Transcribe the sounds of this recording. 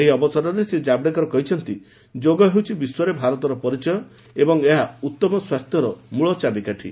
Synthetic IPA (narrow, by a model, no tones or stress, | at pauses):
eɦiɔbɔsaɾɔɾesed͡ʒabɽekɔɾɔkɔɦit͡ʃʰɔnt̪i | d͡ʒoɡɔɦewt͡ʃʰibiswɔɾebʱaɾɔt̪ɔɾɔpɔɾit͡ʃɔjɔ | ebɔŋeɦaut̪ːɔmɔswast̪ʰjɔɾɔmuɭɔt͡ʃabikaʈʰḭ